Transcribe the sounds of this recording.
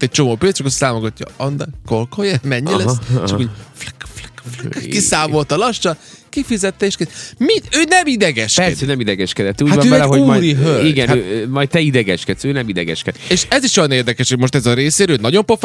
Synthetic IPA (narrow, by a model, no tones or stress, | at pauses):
t̪ːɛc̚t͡ʃo̞moːpeːt͡ʃɒkost̪aːmoɡɒcːɒ̰ɒnd̪ɛkolkojɛmɛɲːilɛst͡ʃɒkuflkflɛ̥kflkisaːmo̞lt̪ɒlɒʃt͡ʃɒkifizɛt̪ːɛeːʃkimit̪øːnɛmid̪ɛɡɛʃkɛɛd̪sønɛmid̪ɛɡɛʃkɛd̪ɛt̪ːuːɟatɔøːvɛlɛɦoɟumɔjɾiɦøliɡɛnømɒjt̪̚t̪ɛid̪ɛɡɛʃkɛt̪søːnɛmid̪ɛɡɛʃkɛd̪eːʃɛziʃjojɒneːrd̪ɛkɛʃhoɟmo̞ʃt̪ɛzɒɾeːseːɾøːnɒɟompof